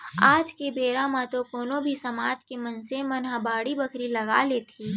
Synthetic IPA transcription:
aːd͡ʒkebeːɾãmãt̪okoːnobʱisɐmaːd͡ʒkemɐnsemɐnɦãbaːɽibɐkʰɾilɐɡa̰ːlet̪ʰiː

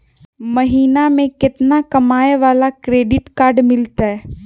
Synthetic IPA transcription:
mɐɦiːnamẽkɪt̪nakɐmaːeʋaːlakɾeːɖɪʈkaːɾɖmɪlt̪aɦɛː

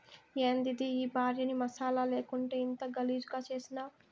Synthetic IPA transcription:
eːnd̪id̪iiːbʱaːɾjɐnimɐsaːlale̞ːkuɳʈeːint̪ɐɡɐliːd͡ʒuɡaːt͡ʃe̞ːsinaː

